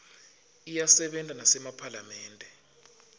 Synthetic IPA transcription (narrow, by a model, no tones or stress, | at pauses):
ijasɛɓɛntʼanasɛmapʰalamɛːndʱɛ